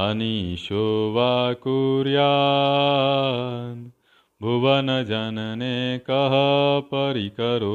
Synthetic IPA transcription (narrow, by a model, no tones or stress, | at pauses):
aniʃoʋakuɾja | n | bʱuʋanɐd͡ʒannekəɦəpəɾikəɾo